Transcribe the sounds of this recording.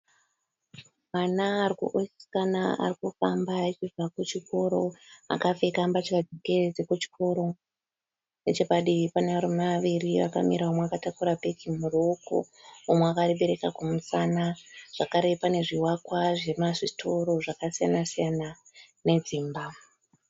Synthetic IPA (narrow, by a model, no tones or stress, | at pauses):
manaːrikṵʔosi̥kanaa̰rikufambait͡ʃivakut͡ʃiko̞ɾo̞a̰kafekambat͡ʃikad͡zekeed͡zekut͡ʃi̥kʰo̞ɾo̞ | net͡ʃekaɗipaneʋaɾemaʋiriʋa̰ka̰miɾaomeakatakuɾapekimuroko̰ | omeakaɾeɓe̞ɾe̞kakamusanaʐ̥akaɾe̞pane̞ʐiwakwaʐe̞maʐitʰo̞ɾo̞ʐakasijanasijana | ne̞d͡ziːmba